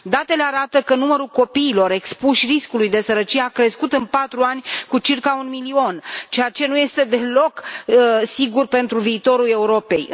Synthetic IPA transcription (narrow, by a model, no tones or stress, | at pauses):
d̪at̪e̞leaɾat̪əkənuməɾulko̞piːlo̞ɾe̞kspuʃʲriskulujd̪e̞səɾət͡ʃijeakɾe̞skut̪ɨnpat̪ɾuanʲkut͡ʃirkaunmilio̞nt͡ʃejat͡ʃe̞nuje̞st̪e̞d̪e̞lo̞k | siɡurpe̞nt̪ɾuviːt̪o̞ɾule̞uɾo̞pe̞j